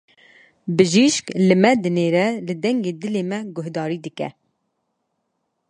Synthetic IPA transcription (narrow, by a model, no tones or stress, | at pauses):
bɨʒiʃklɨmɛd̪ɨneːɾɛlɨd̪ɛŋɡeːd̪ɨleːmɛɡʊhd̪ɑːɾiːd̪ɨkɛ̰